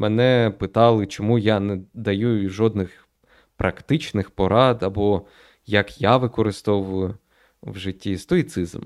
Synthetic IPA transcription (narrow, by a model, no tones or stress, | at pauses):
mɛnɛpɪt̪ɑlˠɪt͡ʃɔmujanɛd̪ɐjuʒɔd̪nɪx | pɾʔɐkt̪ɪt͡ʃnɪxpɔɾʔɑd̪ɐbɔ | jɐkjaʋɪkɔɾɪst̪ɔʋʊjʊ | wʒɪtʲːist̪ɔit̪sɪzm